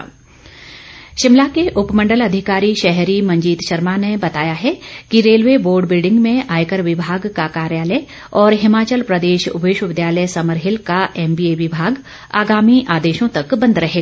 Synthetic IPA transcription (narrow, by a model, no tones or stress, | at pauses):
ʃɪmlakeʔʊpmə̃ɳɖəlɐd̪ʱɪkaːɾiʃɛɦɾimɐ̃ɲd͡ʒiːt̪ʃɐɾmanebɐt̪aːjaɦɛkiɾeːlʋeboːɾɖbɪlɖɪ̃ŋɡmẽʔaːjkəɾʋɪbʱaːɡkakaːɾjaːlə | ɔːɾɦɪmaːt͡ʃəlpɾɐd̪eːʃʊ̰beːʃwəʋɪd̪jaːləjsɐməɾɦɪlkaʔɛːmbiːeʋɪbʱaːɡ | a̰ːɡaːmiʔaːd̪eːʃõt̪ɐkbɐ̃nd̪ɾɐɦeːɡa